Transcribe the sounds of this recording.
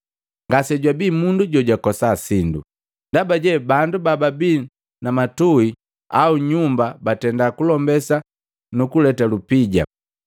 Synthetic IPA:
ŋɡasɛɟwabimunduɟɔɟwakɔsasindṵ | ndabaɟɛbandubababi | namatui | auɲumbabatɛndakulɔmbɛsa | nukulɛtalupiɟa̰

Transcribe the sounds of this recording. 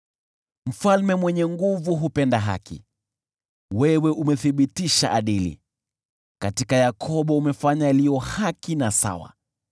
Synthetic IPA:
m̩falmɛmwɛɲɛŋɡuvuɦupɛndaɦa̰kḭ | wɛwɛʔumɛθiɓitiʃa̰ʔaɗilḭ | katikajakʰɔɓɔumɛfaɲajalijɔhakinasa̰wa̰

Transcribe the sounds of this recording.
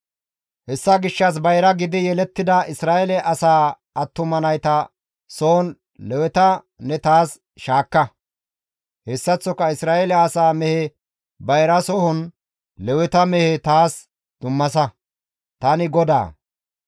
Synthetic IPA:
hɛsːɐɡɪʃːɐs̬bɐjɾɐɡɪd̪ɪjɛlɛt̪ːɪd̪ɐɪsɾaːʔɛlɛʔɐsaː | ɐt̪ːʊmɐnɐjt̪ɐ | soːɔn | lɛwɛt̪ɐ | nɛt̪aːs | ʃaːkːɐ | hɛsːɐt͡sːɔkːɐɪsɾaːʔelɛɐsaːmɛhɛ | bɐjɾɐsɔhɔn | lɛwɛt̪ɐmɛhɛt̪aːs | d̪̥ʊmːɐsɐ | t̪ɐnɪɡɔd̪a̰ː

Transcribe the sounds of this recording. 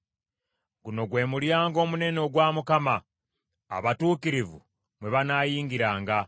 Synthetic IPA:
ɡuno̞ɡwe̞ːmuljaːŋɡo̞ːmune̞no̞ɡwaːmukama̰ː | βatuːkiɾivṵ | mwe̞βanaːjiːŋɡiɾaːŋɡa

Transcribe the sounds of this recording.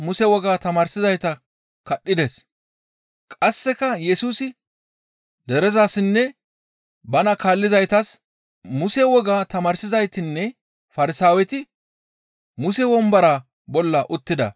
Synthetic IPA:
mʊsɛwɔɡaːt̪ɐmaːɾsɪzɐjt̪ɐ | kɐɗːɪd̪ɛs | kʼɐsːɛkɐjɛsuːsɪ | d̪ɛɾɛzaːsɪnːɛ | bɐnɐkaːlːɪzɐjt̪ɐs | mʊsɛwɔɡaːt̪ɐmaːɾsɪzɐjt̪ɪnːɛ | fɐɾɪsaːwɛt̪ɪ | mʊsɛwɔmbɐɾa | bɔlːɐʔʊt̪ːɪd̪ɐ̰

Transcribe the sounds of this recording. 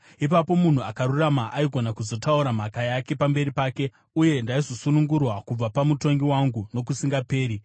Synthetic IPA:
ipapo̞mun̤uakaruramaʔaiɡʱo̞nakuzo̞tauɾam̤akajake̞pambe̞ɾipaːke̞ | uje̞ndaizo̞sunuŋɡurwakub͡vapamuto̞ŋɡiwaŋɡuno̞kusiŋɡape̞ːɾi

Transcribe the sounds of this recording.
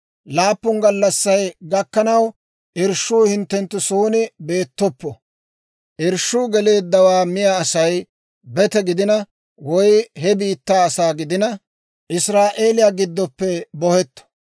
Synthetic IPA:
laːpːʊnɡɐlːɐsːɐjɡɐkːɐnɐw | ʔɪɾʃːuːhɪnt̪ːɛnt̪ːʊsuːnɪbe̞ːt̪ːɔpːɔ | ʔɪɾʃːuːɡɛle̞ːd̪ːɐwaːmɪjaɐsɐj | bɛt̪ɛɡɪd̪ɪnɐ | wɔjhɛbiːt̪ːaːɐsaːɡɪd̪ɪnɐ | ʔɪsɾaːʔe̞ːlɪjaːɡɪd̪ːɔpːɛbɔhɛt̪ːɔ̥

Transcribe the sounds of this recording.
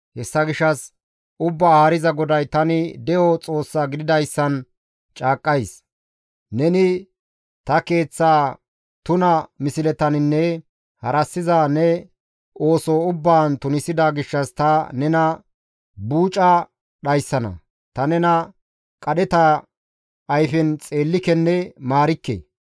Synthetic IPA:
hɛsːɐɡɪʃːɐs | ʊbːaaːɾɪzɐɡɔd̪ɐjt̪ɐnɪd̪ɛjɔt͡sʼo̞ːsːaːɡɪd̪ɪd̪ɐjsːɐn | t͡ʃʼaːkʼːɐjs | nɛnɪ | t̪ɐke̞ːt͡sːaː | t̪ʊnɐmɪsɪlɛt̪ɐnɪnːɛ | hɐɾɐsːɪzaːnɛ | o̞ːsoʊbːaːnt̪ʊnɪsɪd̪aɡɪʃːɐst̪ɐnɛnɐ | buːt͡ʃʼɐ | ɗɐjsːɐnɐ̰ | t̪ɐnɛnɐ | kʼɐɗɛt̪ɐ | ʔɐjfɪnt͡sʼe̞ːlːɪkɛnːɛmaːɾɪkːḛː

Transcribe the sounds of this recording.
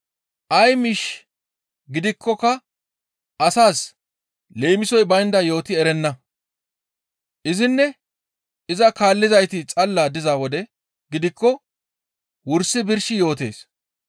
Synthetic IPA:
ʔɐjmɪʃ | ɡɪd̪ɪkːɔkːɐ | ʔɐsaːs | le̞ːmɪsɔjbɐjnd̪ɐjo̞ːt̪ɪɛɾɛnːɐ | ʔɪzɪnːɛ | ɪzɐkaːlːɪzɐjt̪ɪt͡sʼɐlːaːd̪ɪzaːwɔd̪ɛ | ɡɪd̪ɪkːɔ | wʊɾsɪbɪɾʃɪjo̞ːt̪e̞̰ːs

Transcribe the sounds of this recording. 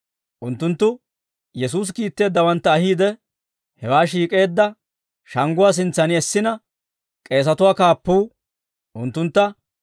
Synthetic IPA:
ʔʊnt̪ːʊnt̪ːʊ | jɛsuːs̬kiːt̪ːe̞ːd̪ːɐwɐnt̪ːɐːɦiːd̪ɛ | hɛwaːʃ̬iːkʼe̞ːd̪ːɐ | ʃɐŋɡʊwaːs̬ɪnt͡sːɐnɪɛsːɪnɐ | kʼe̞ːs̬ɐt̪ʊwaːkaːpːuː | ʔʊnt̪ːʊnt̪ːɐ

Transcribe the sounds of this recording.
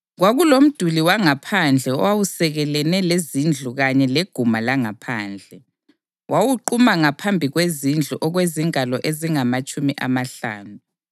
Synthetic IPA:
ɣwaɣulom̩d̥ʱuliwaŋapʰand͡ɮʱɛɔ̰wawusɛɣɛlɛnɛlezind͡ɮʱuɣaɲɛleɡ̥ʱumalaŋapʰa̰ːnd͡ɮʱɛ | wʔawuǃumaŋapʰambʱiɣwezind͡ɮʱuʔɔɣweziŋʱalɔʔeziŋamat͡ʃʼumiʔa̰maɬa̰ːnu

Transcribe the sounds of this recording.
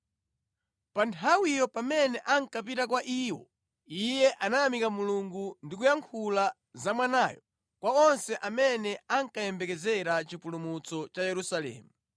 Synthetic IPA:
pantʰawijɔpamɛnɛʔaŋkapitak̬waʔiːwɔ̰ | ijɛʔanajamikamuluŋɡundikujaŋkʰula | zamwanaːjɔ | kwaɔnsɛʔamɛnɛaŋkajɛmbɛkɛzɛɾat͡ʃipulumut͡sɔt͡ʃajɛɾusalɛ̰ːmu

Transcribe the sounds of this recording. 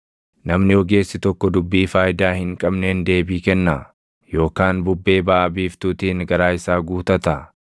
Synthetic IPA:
nɐmnɪɔɡe̞ːsːɪt̪ɔkːɔd̪ʊbːiːfaːjd̪aːhɪŋkʼɐbneːnd̪e̞ːbiːkɛnːa | jo̞ːkaːnbʊbːe̞ːbaːʔɐbiːft̪uːt̪iːnɡɐɾaːɪsaːɡuːt̪ɐt̪ɐ

